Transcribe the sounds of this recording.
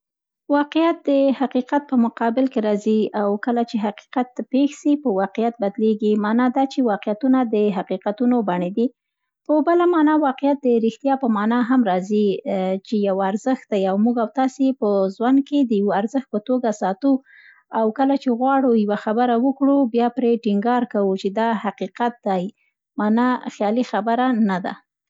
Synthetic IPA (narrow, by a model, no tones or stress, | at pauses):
wɑqɪjat̪̚d̪əhaqiqat̪̚pəmʊqɑbɪlkeɾɑziawkəlat͡ʃeɦaqi̥qat̪pexsipəwɑqejat̪̚bad̪leɡimɑnɑd̪ɑt͡ʃewɑqijat̪unad̪əɦaqiqat̪unobaɳed̪i | pəbəlamɑnɑwɑqɪjat̪̚d̪əɾixt̪jɑpəmɑnɑɦamɾɑzit͡ʃejawaɾzəxt̪̚d̪ajawmuɡawt̪ɑsepəzwan̚ked̪əjawoaɾzəxt̪̚pət̪oɡasɑt̪u | awkəlat͡ʃeɣwɑɽujwaxabəɾawəkɽubjɑpɾeʈiŋɡɑɾkawut͡ʃed̪ɑhaqiqat̪̚d̪aj | mɑnɑxjɑlixabəɾanad̪a̰